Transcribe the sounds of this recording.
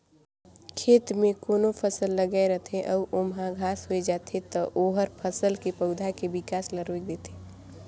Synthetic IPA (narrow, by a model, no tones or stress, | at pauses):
kʰeːt̪mẽkoːnopʰəsəlːəɡaeɾət̪ʰeʔɔːʔomɦãɡʱaːsɦoed͡ʒaːt̪ʰet̪ɔʔoːɦəɾpʰəsəlkepəʊd̪ʱakebɪkaːsləɾok̚d̪eːt̪e̥